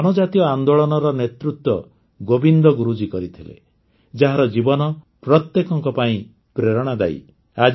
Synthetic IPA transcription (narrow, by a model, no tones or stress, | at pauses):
ɔnɔd͡ʒat̪iɔand̪oɭɔnɔɾɔnet̪ɾut̪wɔ | ɡobind̪ɔɡuɾud͡ʒikɔɾit̪ʰilḛ | d͡ʒaɦaɾɔd͡ʒibɔnɔ | pɾɔt̪jekɔŋkɔpaĩ | pɾeɾɔɽ̃ad̪a̰j̰ | ad͡ʒ